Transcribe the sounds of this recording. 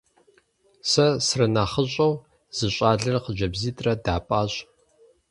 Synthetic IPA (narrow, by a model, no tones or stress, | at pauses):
sɐsrɨnaχəɕʼɐw | z̥ɨɕʼaːɮɐrqəd͡ʒɐbziːtʼrɐdaːpʼaːɕʼ